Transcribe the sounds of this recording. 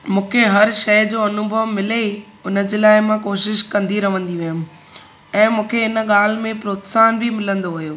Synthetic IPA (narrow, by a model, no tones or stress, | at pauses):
mũːkʰeɦɐɾʃɐjd͡ʑoːɐnʊbʱəʋmɪle | ʊnəd͡ʑelaːɪmãkoːʃɪʃkɐ̃nd̪iɾɐʋ̤ə̃nd̪iʋɐjʊm | ɛ̃ːmũːkʰeɪnə̆ɠaːl̤mẽpɾoːt̪saːnbʱimɪlə̃nd̪oɦujoː